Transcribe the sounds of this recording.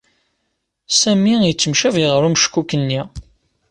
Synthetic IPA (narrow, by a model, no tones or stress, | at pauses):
sæmijət͡sːəmʃæviʁəɾumʃkːukːənːi